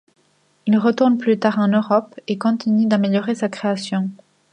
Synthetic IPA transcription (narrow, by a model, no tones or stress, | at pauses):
ilʁət̪uʁnplyt̪aʁɑ̃nøʁɔpekɔ̃t̪ʰinyd̪ameljɔʁesakχeasjɔ̃